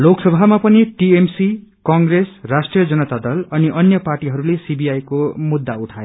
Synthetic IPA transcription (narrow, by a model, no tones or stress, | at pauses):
loksʌbʱamapʌniʈiemsi | kʌŋɡresrasʈrijʌd͡zʌnʌt̪ad̪ʌlʌniʔʌnjʌparʈiɦʌɾulesibiajkomud̪ːauʈʰae